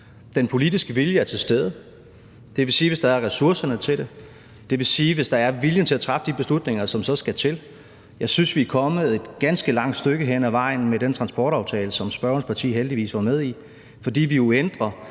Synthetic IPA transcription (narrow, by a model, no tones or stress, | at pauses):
d̥enpʰo̝lid̥isɡ̥əʋiljəæɐt͡sʰe̝sd̥eð̞ˠə | d̥e̝ʋe̝siːʋe̝sd̥ɑ̈æɐʁɛsuɐ̰sɐnət͡sʰe̝dɾe | d̥e̝ʋe̝siːʋe̝sd̥ɑ̈æɐʋiljənt͡sʰe̝læt͡sʰʁɑ̈fəd̥ib̥e̝slud̥ne̝ŋɐsɒ̽msɒ̽sɡ̥æt͡sʰe̝l | jɑ̈ɪsynsʋiæɐkʰɒ̽mð̩ˠe̝d̥ɡ̥ænsɡ̥əlɑ̈ŋ̰d̥sd̥øɡ̥əɦenæʋɑ̈ɪ̰n̩medent͡sʰʁɑ̈nsb̥ɒːɾ̥ɑ̈ʊt͡sʰɛ̰ːləsɒ̽msb̥ɶɐnspʰɑt͡sʰḭːɦeld̥iʋḭːsʋɑ̈með̞ˠi | fɒ̽d̥ḭːʋijo̝end̥ʁɐ